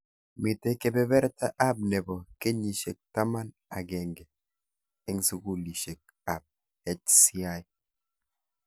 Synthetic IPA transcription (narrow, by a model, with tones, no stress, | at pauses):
mi˨te˦ke˦bɛ˦βɛ˦ɾta˦ʔa˦b̚ne˨bɔ˨ke˦ɲi˨ʃe˨k̚ta˦ma˦n | a˨ɡɛ˨ŋɡɛ˨ | e˦ŋ˦su˦ku˦li˨ʃe˨k̚ | a˨b̚ | hɛ˦t͡ʃsi˦a˦j